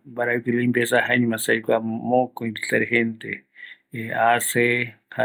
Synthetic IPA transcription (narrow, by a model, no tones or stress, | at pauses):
baɾakilimbesahaɲimasajkʷamokoit̪iɬaɾeɦent̪e | aseha